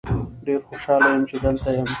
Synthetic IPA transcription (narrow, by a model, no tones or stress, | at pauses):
ɖeɾxoʃɑːlajəmt͡ʃed̪əlt̪ajam